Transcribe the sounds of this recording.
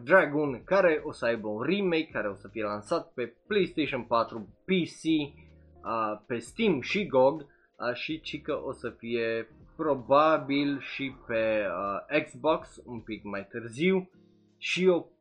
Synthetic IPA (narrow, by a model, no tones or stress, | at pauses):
d̪ɾaɡunkaɾeʔosəajbəunrimejkʰːaɾeosəfije̞lansat̪̚peplejst̪ejʃonpat̪ɾupisi | əpest̪imʃiɡoɡ | əʃit͡ʃikəʔosəfijepɾobabilʃipeəekzboksumpikmajt̪ɨrziw | ʃio